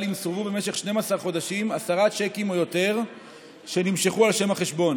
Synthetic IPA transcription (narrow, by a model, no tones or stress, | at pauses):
limsoʁvube̞meʃe̞χʃne̞masaʁχo̞daʃimasaʁat͡ʃe̞kimo̞jo̞te̞ʁ | ʃe̞nimʃeχualʃe̞maχe̞ʃbo̞n